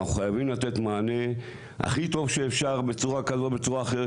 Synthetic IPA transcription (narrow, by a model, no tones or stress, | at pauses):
aχuχajavimlat̪e̞t̪maːne̞ | a̰χit̪o̞vʃeːfʃaʁbe̞t͡suʁakazo̞tbe̞t͡suʁaːχee